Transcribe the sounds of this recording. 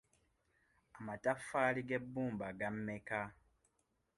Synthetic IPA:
amatafːaːliɡe̞bːuːmbaɡamme̞ka

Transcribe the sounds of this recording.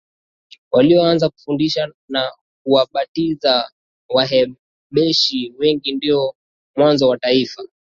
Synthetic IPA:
waliɔanzaku̥fundiʃa | na | kuwaɓatiza | waɦɛ | ɓɛʃiwɛŋɡindiɔ | mwanzɔwataifa

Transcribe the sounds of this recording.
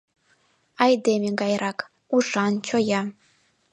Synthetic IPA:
ɑjd̪emeɡɑjɾʔɑk | uʃɑnt͡ɕojɑ

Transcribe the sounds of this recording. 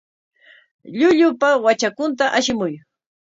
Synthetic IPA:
ʎʊʎʊpawat͡ʃakʊnt̪aʔaʃɪmʊj

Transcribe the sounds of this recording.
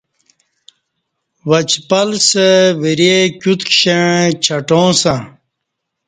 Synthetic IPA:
wɐt͡ɕpɐlsəwiɾekʲut̪kɕẽt͡ɕʰɐʈõːsã

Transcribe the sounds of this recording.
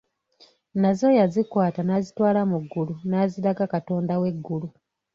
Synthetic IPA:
nazo̞jazikwaːtanazitwaːlamuɡːulunaːziɾaɡakato̞ːndawe̞ɡːulu

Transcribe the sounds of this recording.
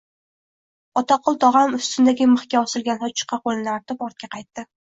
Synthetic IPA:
ɒt̪ɑqʰɒlˠt̪ʰɒʁɑmʊst̪ʰɪnd̪aɡʲɪmɨχkʲaɒsɪlˠɡʲanhɒt͡ʃʰɨ̥qʰːɑqolnlaɾt̪ɪpɒɾt̪̚kʲaqʰɑjt̪ːɪ

